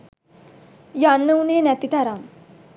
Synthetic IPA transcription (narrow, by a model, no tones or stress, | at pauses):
janːəwnenɛt̪it̪aɾam